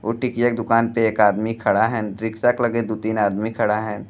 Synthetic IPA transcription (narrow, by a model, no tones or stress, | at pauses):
oːʈikijak̚d̪ʊkaːnpeeːkaːd̪mikʰɐɽaɦɛ̃ɾɪksaklɐɡed̪ot̪iːnaːd̪mikʰɐɽaɦɛ̃